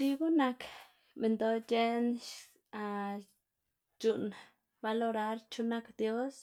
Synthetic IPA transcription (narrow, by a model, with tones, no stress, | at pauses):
t͡ʃi˧ɡu˦na˧k | me˨nd̪o˦d͡ʒe˦nʃ | a˧ | t͡ʃu˨n | ba˧lo˧ɾa˦ɾt͡ʃu˦na˦kd̪jo˦s